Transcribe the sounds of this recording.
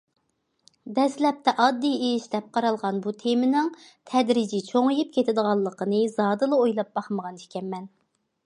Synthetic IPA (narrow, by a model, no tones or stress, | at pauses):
d̪ɛslɛp̚t̪ʰɛʔɑd̪ːijejiʃd̪ɛp̚qʰɑɾɑlˠʁɑnbut̪ʰemɪnɪŋt̪ʰɛd̪ɾid͡ʒit͡ʃʰoŋijip̚kʲʰet̪ʰɪd̪əʁɑlˠːəqʰənɨzɑːd̪ɨlˠɨojlˠɑp̚bɑχməʁɑniʃkʲɛnmːɛn